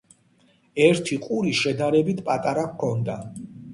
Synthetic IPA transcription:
ɛɾt̪ʰiqʼuɾiʃɛd̪aɾɛbit̪ʰpʼat̪ʼaɾakkʰɔnd̪a

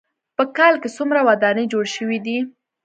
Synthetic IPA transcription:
pəkɑlkesumɾawad̪ɑnəd͡ʒoɽʃəwid̪i

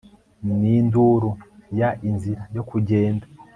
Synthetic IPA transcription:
ninduɾujaʔinziɾajo̞kuɟe̞ːnda

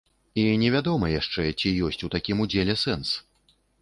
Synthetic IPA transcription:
inʲɛvʲad̪ɔmɐjaʂt͡ʂɛt͡sʲijɔsʲt͡sʲut̪akʲimud͡zʲelʲɛsɛns

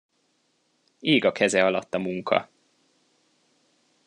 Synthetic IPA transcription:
eːɡɒkʰɛzɛɒlɒt̪ːɒmuŋkʰɒ̰

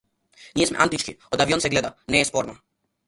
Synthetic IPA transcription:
nijesmɛ̰a̰nt̪it͡ʃkiod̪aʋionsɛɡlɛd̪anɛːjespoːɾno

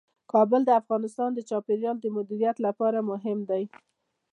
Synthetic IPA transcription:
kɑbəld̪əafɣɑnɪst̪ɑnd̪ət͡ʃɑpeɾjɑld̪əmʊd̪iɾijat̪lapɑɾamʊɦɪmd̪aj

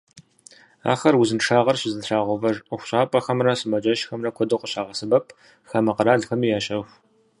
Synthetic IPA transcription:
a̰ːxɐrwuzɨnʂaːʁɐrɕɪzɨnʂaːʁʷɔvɐrxʷʊ̥ɕʼaːpʼɐxɐmrɐsɨmɐd͡ʒɐʃxɐmrɐkʷʰɔdɐwqʷəɕaːʁɐsɨbɐpʰʼ | xɐmɐqəɾaːɮxɐmiːjaːɕʼɐxʷ

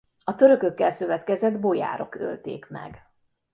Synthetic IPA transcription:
ɒt̪øɾø̞køkːɛlsøvɛt̪kɛzɛd̪bo̞ja̰ːɾo̞̰kø̰lt̪ḛːkmɛ̰ɡ

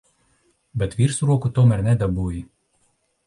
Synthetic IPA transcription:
bʲɛt̪ʋʲiːɾsɾuɔkʊt̪oːmɛɾʲnʲɛd̪ʲɛbuːji

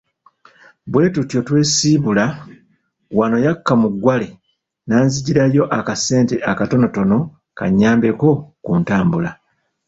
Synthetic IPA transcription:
bwe̞ːtutjo̞twe̞ːsiːβula | wano̞jakːamuɡːwale | naːnziɟiɾajo̞ʔakase̞ːnteʔakato̞no̞to̞no̞ | ka̰ɲːaːmbe̞ko̞kuntaːmbula

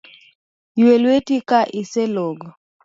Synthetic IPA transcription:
jwelwetikaʔiseloɡɔ

